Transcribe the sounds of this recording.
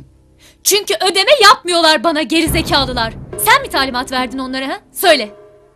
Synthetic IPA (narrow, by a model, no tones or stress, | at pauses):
t͡ʃʰyɲcyʔø̞d̪e̞mɛjap̚mɯjo̞lˠaɾbanaɟe̞ɾize̞cʰaːlˠɯlˠaɾ̥sænbit̪ʰaːlʲimat̪væɾd̪ino̞nlˠaɾaɦasø̞jlʲɛ